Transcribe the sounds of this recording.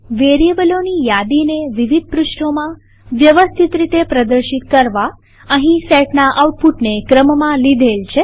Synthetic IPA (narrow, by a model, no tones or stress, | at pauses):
ʋeɾiebəlonijad̪ineʋiʋid̪̚ʱpɾuʃɳomã | ʋjəʋəst̪ʰit̪ɾit̪epɾəd̪əɾʃit̪kəɾʋa | əɦĩsɛʈnaʔawʈ̚puʈnekɾəmmãlid̪ʱelt͡ʃʰe